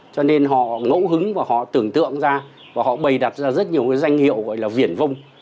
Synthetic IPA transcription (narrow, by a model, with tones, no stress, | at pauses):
t͡ɕɔ˧ne˧nɦɔ̰˧˨ŋo̰˧˥wɦɨ˨˦ŋvaː˨˩hɔ̰˧˨t̪ɨ˨˩əŋt̪ɨ̰˧˨əŋzaː˧ | vaː˨˩hɔ̰˧˨ɓə˨˩jɗa˨˩t̚zaː˧zə˦˥t̚ɲi˨˩əwkaː˨˦jza˧jŋ̟hḭ˧˨əwɣɔ̰˧˨jlaː˨˩vi˧˩ənvə˧wŋ͡m